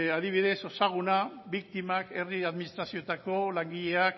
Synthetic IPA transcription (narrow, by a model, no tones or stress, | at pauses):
aðiβiðe̞so̞saɣ̞unaβik̚t̪imake̞riaðminist̪ɾasiot̪ako̞laŋɡiʎe̞ak